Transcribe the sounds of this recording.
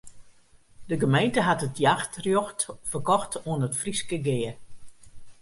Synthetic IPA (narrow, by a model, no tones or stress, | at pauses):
dəɡəmejntəɦatətjaxtrjoxtfərkɔxtuənətfriskəɡɪːər